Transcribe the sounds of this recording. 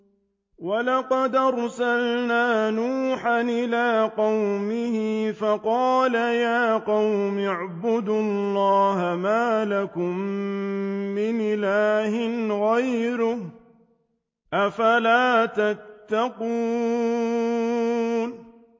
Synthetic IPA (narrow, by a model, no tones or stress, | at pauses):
walɑqɑd̪ɑɾˤsalnaːnuːħanʔɪlaːqɑwmɪhɪfɑqɑːlajaːqɑwmɪʕbʊd̪ʊllːɑːɦamaːlakʊmː | ɪnʔɪlaːhɪnɣajɾʊh | ʔafalaːt̪at̪ːaquː | n